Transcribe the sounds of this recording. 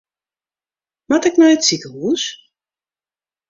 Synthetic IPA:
matɛknɔjətsikəɦuːs

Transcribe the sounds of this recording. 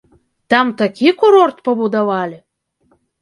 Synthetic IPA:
t̪ɑmt̪akʰʲikuɾort̪̚pəbud̪avɑlʲi

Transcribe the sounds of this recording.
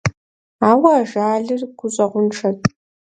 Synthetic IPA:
aːwɐːʒaːɮɨrɡʷʊɕʼɐʁʷʊnʈ͡ʂʰɐtʼ

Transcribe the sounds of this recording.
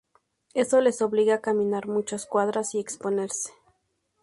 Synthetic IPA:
e̞so̞le̞so̞βliɣakamĩnaɾmut͡ʃaskwaðɾasie̞kspone̞ɾse̥

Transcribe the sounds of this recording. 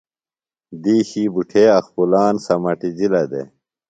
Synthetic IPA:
d̪iːɕiːbuʈʰeːɐxpulaːnsɐmɐʈid͡ʑilɐd̪ḛ

